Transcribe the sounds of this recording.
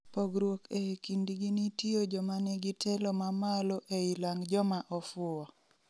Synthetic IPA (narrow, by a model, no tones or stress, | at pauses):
poɡɾwokekindiɡinitiod͡ʒɔmanɛɡitʰɛlɔmamalɔʔeilaŋd͡ʒɔmaʔɔfʊɔ